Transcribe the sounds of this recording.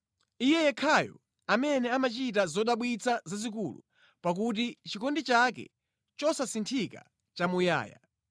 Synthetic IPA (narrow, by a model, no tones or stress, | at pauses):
ijɛjɛkʰajɔ̰ | amɛnɛamat͡ʃit̬azɔɗaɓwit͡sʰazazikulṵ | pak̬ut̬it͡ʃikɔndit͡ʃakɛ̰ | t͡ʃɔsasintʰika̰ | t͡ʃamuja̰ːja̰